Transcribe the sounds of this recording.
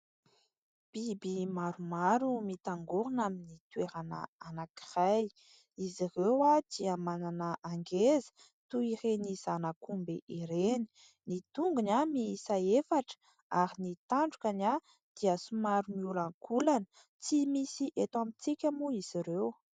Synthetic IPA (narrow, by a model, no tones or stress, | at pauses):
b̥ibimaɾumaɾumit̪aŋɡoɾunaminit̪weɾanə̰anaki̥raj | izirewat̪iamananəʔaŋɡezə̥ | t̪uirenizanakumbḛʔiɾeni̥ | nit̪uŋɡunamisaefaʈ͡ʂə̥ | aɾinit̪aɳɖ͡ʐukana | d̪̥iasumaɾumiulaŋkʰulanə̥ | t͡simisiʔet̪wamit͡sikʲamuiz̥iɾew